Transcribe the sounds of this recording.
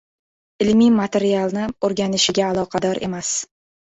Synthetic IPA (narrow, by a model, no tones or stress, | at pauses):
ɪlmimat̪ʰe̞ɾialˠnɪoɾɡʲanɪʃɪɡʲaːlˠɒqʰɑd̪ɒɾʔe̞̰mas